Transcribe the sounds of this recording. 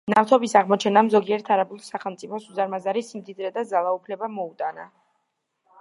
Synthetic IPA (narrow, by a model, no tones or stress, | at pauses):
naft̪ʰɔbisaʁmɔt͡ʃʰɛnamzɔɡiɛɾt̪ʰaɾabulˠsaχɛlˠmt̪sʼipʰɔsuzaɾmazaɾisimd̪id̪ɾɛd̪azalˠaupʰlɛbamɔut̪ʼana